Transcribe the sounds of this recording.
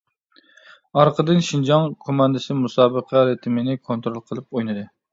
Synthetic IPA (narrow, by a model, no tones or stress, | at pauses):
ɑɾqəd̪ɨnʃind͡ʒɑŋkʰomɑnd̪ɨsɪmusɑːbəqʰɛɾɨt̪ʰmɪnɪkʰont̪ɾolˠqʰəlˠɨp̚ojnɨd̪ɨ